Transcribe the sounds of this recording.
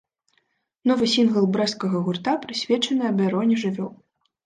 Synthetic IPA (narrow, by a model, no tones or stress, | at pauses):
nɔvɨsʲinɣɐlˠbɾɛskɐɣɐɣurt̪apɾɨsʲvʲɛt͡ʂɐnɨɐbʲaɾɔnʲɛʐɨvʲɔw